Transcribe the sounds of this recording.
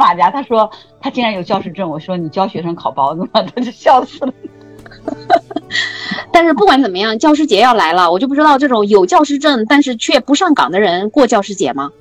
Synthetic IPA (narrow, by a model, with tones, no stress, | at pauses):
fa˨˩t͡ɕja˧˥t̪ʰa˥ʂwɔ˥ | t̪ʰa˥t͡ɕi˥ɻa˧˥njo˨˩ʊt͡ɕjɑ˥˧ʊʂɻ̩˥˧ʈ͡ʂə˥˩nwɔ˨˩˥ʂwɔ˥ni˨˩t͡ɕjɑ˥ʊ˩ɕɥɛ˧˥ʂɤ˥ŋkʰɑ˨˩ʊpɑ˥ʊnə˥˩mə˨˩t̪ʰo˥t͡ɕo˥˩ɕjɑ˥˧ʊsɹ̩˨˩ | t̪a˥˧nʂɻ̩˥˧p̬u˥˩kwa˥nt͡sə˨˩mə˦jɑ˥˩ŋt͡ɕjɑ˥˧ʊʂ̬ɻ̩˥˩t͡ɕjɛ˧˥jɑ˥˩ʊla˧˥ɪlə˧wt͡ɕjo˥˧ʊpu˥˧ʈ͡ʂt̪ɑ˧ʊʈ͡ʂɤ˥˩ʈ͡ʂʊ˨˧˥ŋjo˨˩ʊt͡ɕjɑ˥˧ʊʂɻ̩˥˧ʈ͡ʂə˥˩ŋt̪a˥˧nʂɻ̩˥˧t͡ɕʰɥɛ˥˩pu˧˥ʂɑ˥˩ŋkɑ̰˨˩ŋd̪ə˦ɻə˧˥nkwɔ˥˧t͡ɕjɑ˥˧ʊʂɻ̩˥˩t͡ɕjɛ̰˧˥mɐ˧